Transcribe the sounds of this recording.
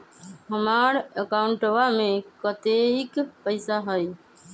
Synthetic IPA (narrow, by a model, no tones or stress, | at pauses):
ɦəmaːɾəkaːʊɳʈoʋaːmẽːkət̪eːɪkpəɪsaːɦəjː